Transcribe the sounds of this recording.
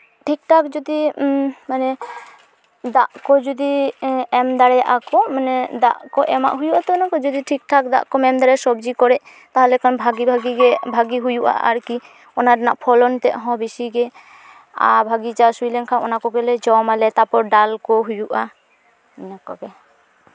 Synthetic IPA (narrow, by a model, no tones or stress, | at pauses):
ʈʰik̚ʈʰakd͡ʒɔd̪imanɛ | d̪aʔkɔd͡ʒud̪iɛmd̪aɽɛaʔakɔmanɛd̪a̰ʔkɔʔɛma̰ʔɦujuʔat̪ɔnakɔd͡ʒɔd̪iʈʰik̚ʈʰakd̪a̰ʔkɔmɛmd̪aɽɛsɔbd͡ʒikɔɾɛʔ | t̪aɦɔlɛkʰɔnbʱaɡibʱaɡiɡɛbʱaɡiɦujuʔa̰ʔa̰ɾki | ɔnaɖnaʔpʰɔlɔnt̪ɛʔɦɔ̃bisiɡɛ | a̰bʱaɡit͡ʃasujlɛŋkʰaɔ̰nakɔɡɛlɛd͡ʒɔmalɛt̪apɔɾɖalkɔɦujuʔa | nakɔ̰ɡɛ